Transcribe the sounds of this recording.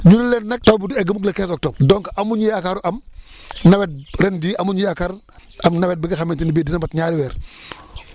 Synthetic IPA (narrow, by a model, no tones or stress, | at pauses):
ɲunɐlɛnnɛk̚tobidɛɡɐmuklɐkɛns̬ɔk̚tɔb̚dɔŋkɐmuɲujakaɾuʔɐm | nɐwɛt̚ɾɛndiːʔɐmuɲujakaɾ | ɐmnɐwɛt̚biɡɐxɐmintinibiːdinɐmbɐtɲaːɾiwɛːɾ